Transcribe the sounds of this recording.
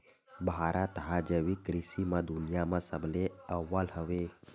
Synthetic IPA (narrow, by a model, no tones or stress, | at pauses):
bɦaɾʔat̪əɦad͡ʒəʋikɾisimãd̪unijamãsəbleəʋːalɦəʋe